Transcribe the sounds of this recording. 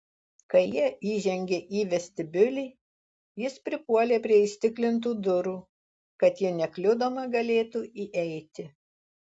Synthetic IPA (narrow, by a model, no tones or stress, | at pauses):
kɐɪjiɛiːʒʲɛŋʲɡʲeːʔiːʋʲɛsʲt̪ʲɪbʲʊlʲɪɪ | jɪspʲɾʲɪpuɔlʲeːpʲɾʲiɛɪʃʲt̪ʲɪklʲɪnt̪uːd̪ʊɾuː | kɐt̪jɪnʲɛklʲʊd̪oːmɐɡɐlʲeːt̪uːiːʔɛɪt̪ʲɪ